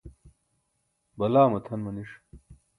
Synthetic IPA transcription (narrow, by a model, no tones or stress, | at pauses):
bɐlaːmɐt̪ʰɐnmɐniʂ